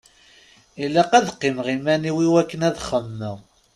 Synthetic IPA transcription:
ilːæqæðqːimʁimæniwiwækːənæðχəmːəʁ

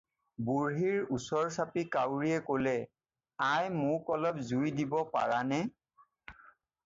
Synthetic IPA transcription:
buɹɦiɹusɔɹsapikawɹiɛkolɛ | ajmʊkɔlɔp̚zujdibɔpa̰ɹanɛ

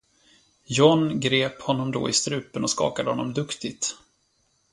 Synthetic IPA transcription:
jɔnɡɾeːphɔnːɔmd̪o̰ːɪst̪ɾʉ̟ːpənɔskɑ̰ːkad̪əhɔnːɔmd̪ɵkt̪ɪɡt̪

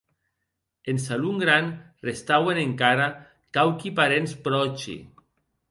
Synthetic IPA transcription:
ensaluŋɡɾan | rest̪aweneŋkaɾa | kawkipaɾenspɾɔt͡ʃḭ

